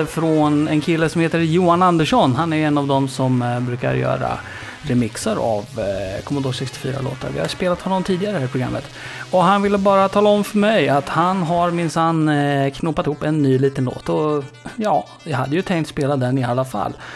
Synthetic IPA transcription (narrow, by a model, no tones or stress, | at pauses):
fɾɔnɛnkʰɪlːəsɔmheːt̪əɾjuːanand̪əʂɔnɦanæɾɛnːɑvd̪ɔmsɔmbɾʉ̟ːka̰ɾjœ̰ːɾa̰ | ɾɛmɪksəɾa̰vkʰɔmənd̪oːʂɛkst̪ɪ̥fy̰ːɾa̰lo̰ːt̪a̰ɾvɪ̰haspeːlat̪hɔnaɔmt̪ʰiːd̪ɪɡaɾəhæːɾɪpʰɾʊɡɾa̰mːət̪ | ɔɦanvɪlːəbɑːɾat̪ʰɑːlaɔmfœɾmɛjat̪hanɦaɾmɪnsanːkʰnuːpːat̪ɪhuːpːɛnːyːliːt̪ənlo̰ːt̪ɔjɑː | jɑhad̪ːəjɵt̪ʰɛŋkt̪speːlad̪ɛnɪalːafa̰lː